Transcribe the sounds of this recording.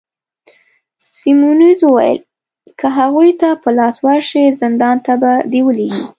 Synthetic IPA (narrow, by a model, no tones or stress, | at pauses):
simunizwuwa̰jə̰l | kʰəɦaɣujt̪apəlɑswaɾʃizɪnd̪ɑnt̪abad̪iwəleɡi